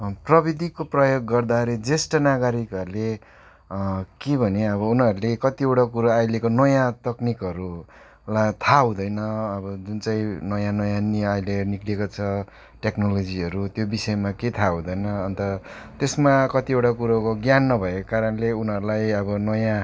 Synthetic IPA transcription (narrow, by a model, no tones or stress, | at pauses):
prʌbid̪ʱikoprʌjoɡːʌrd̪aɾed͡zesʈʌnaɡaɾikʌɾule | kebʱʌneʌβʌunʌɾulekʌt̪ieʈakuɾaajlekonʌjãt̪ʌknikɦʌɾu | lat̪ʰaɦũd̪ʌjnʌʌbʌd͡zunt͡saĩnʌjãnʌjãniajleniklekot͡sʰʌ | ʈeknolod͡ziʌɾut̪jobisʌemaket̪ʰaɦũd̪ʌjnʌːnt̪ʌ | t̪esmakʌt̪iewʈakuɾakoɡjanːʌbʱʌekokaɾʌnleunɦʌɾulajʌbʌnʌjã